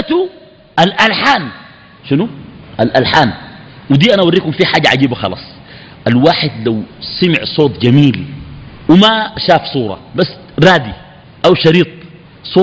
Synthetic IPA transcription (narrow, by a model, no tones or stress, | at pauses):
at̪u | ʔalʔalħaːn | ʃinuʔalʔalħaːnwid̪iːʔanaʔwaɾrːiːkumfiħaːɟːaʕaɟiːbaxɑ̰lɑ̰ːsˤ | ʔalwaːħɪd̪lawsamɪ̰ʕsˤoːt̪ˤd͡ʒamiːlwimaʃaːfsˤuːɾˤɑ̰basː | ɾaːd̪i | ʔawʃɑɾiːt̪̚ˤ | sˤoː